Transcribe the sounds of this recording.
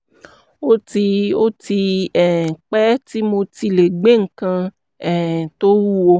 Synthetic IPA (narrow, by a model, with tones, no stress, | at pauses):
o˦ti˧o˦ti˧ɛ˨k͡pɛ˦ti˦mo˧ti˧le˨ɡ͡be˦˨ŋ̩˨kã˧ | ɛ˦˨to˦wu˦wo˧˦